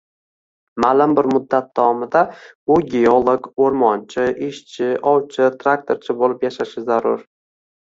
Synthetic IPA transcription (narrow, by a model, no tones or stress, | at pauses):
maːlɪmbɪɾmʊd̪ːat̪̚d̪ɒɒmɪd̪aʊɡʲeolˠoɡoɾmɒnt͡ʃʰɪʔɪʃt͡ʃʰɪʔɒwt͡ʃʰɪt̪ʰɾak̚t̪ʰoɾt͡ʃʰɪbolɪpjaʃaʃɪzaɾʊɾ